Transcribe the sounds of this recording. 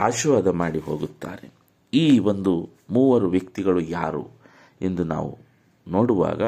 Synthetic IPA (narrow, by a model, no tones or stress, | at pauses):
aːʃʋaːd̪ɐmaːɽiɦo̞ːɡut̪ːa̰ːɾe | iːʋo̞nd̪u | muːʋɐɾuʋjɐkt̪iɡɐɭujaːɾṵ | e̞nd̪una̰ːʋṵ | no̞ːɽuʋa̰ːɡɐ